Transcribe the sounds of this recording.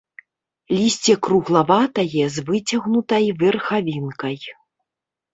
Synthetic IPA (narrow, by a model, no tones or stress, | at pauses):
lʲisʲt͡sʲɛkɾuɣlˠavat̪ɐjɛzvɨt͡sʲaɣnut̪ɐjvʲɛrxavʲinkɐj